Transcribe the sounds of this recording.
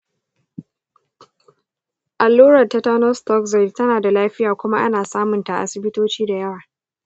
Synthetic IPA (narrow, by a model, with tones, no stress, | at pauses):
ʔa˨lːoː˦ɾɐ˨tːa˦taː˦nɔ˦stɔ˦kzɛ˨ttɐ˦naː˨da˨laː˦ɸɪ˦jaː˨kʷʊ˦ma˦ʔa̰˦naː˨saː˦mʊ˨nta˨ʔa̰˨sɪ˨bɪ˦toː˦t͡ʃiː˦da˨jɐ˦waː˨